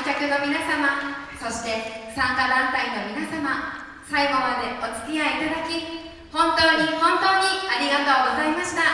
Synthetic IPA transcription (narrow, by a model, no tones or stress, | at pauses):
kʲakɯnomʲinasama | soɕi̥t̪e̞sãŋkad̪ãnt̪ainomʲinasama | saiɡo̞mad̪e̞ot͡sɨ̥t̪iait̪ad̪akʲi | hõ̞nt̪oːɲihõ̞nt̪oːɲiaɲiɡat̪ooɡo̞zaimaɕi̥t̪a